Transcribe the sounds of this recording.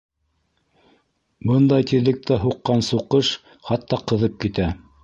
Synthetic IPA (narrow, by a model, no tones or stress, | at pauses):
bɤnd̪ɑjt̪iðlɘ̆k̚t̪æɦuqːɑnsuqɤʃ | χɑt̪ːɑqɤ̆ðɤp̚kit̪æ